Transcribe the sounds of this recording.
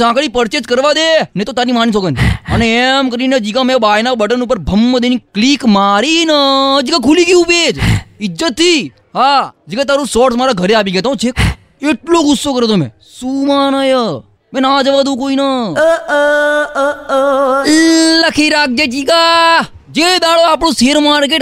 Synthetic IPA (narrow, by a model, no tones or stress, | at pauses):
sãːkɭipəɾt͡ʃed͡ʒkəɾʋad̪enet̪ot̪aːɾimaːnis̬oːɡənəneemkəɾined͡ʒiːɡãmɛ̃baːjnabəʈənupəɾbʱəmːəd̪enikliːkmaːɾinəd͡ʒiɡãkʰuliɡiũped͡ʒɪd͡ʒət̪ʰːiː | ɦad͡ʒiɡãt̪aːɾosɔːʈsmaːɾaɡʱəɾeaːpiɡet̪aũt͡ʃʰek | eʈloːɡʊsːoːkəɾeːoːmɛ̰̃ː | suːmaːnəjə | mɛ̃ːnad͡ʒəʋaːd̪ũːkoːinaː | ləkʰiːɾaːk̚ʰd͡ʒeːd͡ʒiːɡaːd͡ʒed̪aːɭoaːpɳũːseːɾmaːɾkeːʈ